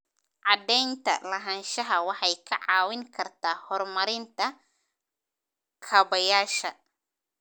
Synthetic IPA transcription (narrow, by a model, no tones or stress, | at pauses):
ʕɑd̪ɛjnt̪ʰɐ̰lɐɦɐnʃɐɦɐwɑħɑjkʰɐʕɑːwɪŋkʰɐrt̪ʰaːhɔrmɐɾɪnt̪ʰɐ | kʰɐβɐjaːʃɐ